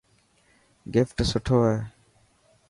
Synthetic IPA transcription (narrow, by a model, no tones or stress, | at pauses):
ɡɪfʈsʊʈʰoːɛː